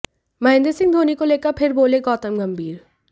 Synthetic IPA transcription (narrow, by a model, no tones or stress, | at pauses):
mɐɦɪ̃nd̪esɪ̃ŋɡd̪ʱoːnikoleːkəɾpʰɪɾboːleɡɔːt̪əmɡɐmbʱiːɾ